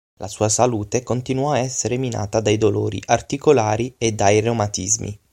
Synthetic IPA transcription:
lʔasuːasaluːt̪ekont̪inwɔaɛsːeɾemina̰ːt̪ad̪ajd̪olo̰ːɾḭʔart̪ikolaːɾied̪ːajromat̪izmḭ

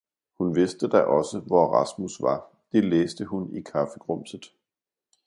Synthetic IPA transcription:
hunʋe̝sd̥əd̥ɑɪʔɒ̽səʋɒʁɑ̈smusʋɑ̈ | d̥e̝leːsd̥əhunikʰɑfəɡ̥ʁɔm̰sð̩ˠ

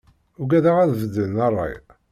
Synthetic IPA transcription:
ʊɡæðaʁæðvəd̪ːənɑrˤːɑ̰j

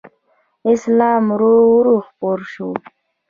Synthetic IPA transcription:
ɪslɑːmɾoɾuxpoɾʃu

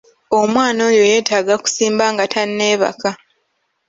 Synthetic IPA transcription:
o̞mwaːno̞ːjo̞je̞ːtaːɡaku̥siːmbaːŋɡatʰanːeːβa̰ka

